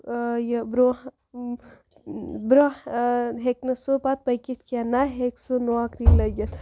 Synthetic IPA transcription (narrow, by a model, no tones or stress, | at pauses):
jbɾo | bɾo | ɦeknɐsopat̪̚pɐjkit̪kanaɦeksunoakɾilɐɡɐt̪ʰ